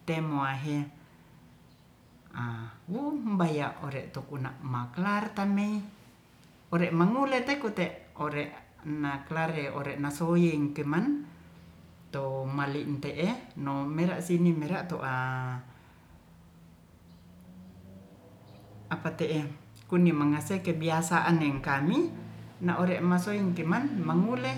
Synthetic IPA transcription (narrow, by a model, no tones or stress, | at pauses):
t̪emoaɦe | awubajaʔoɾeʔt̪okunaʔmaklart̪amei | oɾeʔmaŋulet̪ekut̪eʔoɾeʔ | naklaɾeoɾeʔnasojeŋkeman | t̪omaliʔnt̪eʔenomeɾaʔsinimeɾaʔt̪oʔa | apat̪eʔe | kunimaŋasekebiasaʔaneŋkaminaʔoɾeʔmasoiŋkemanmaŋule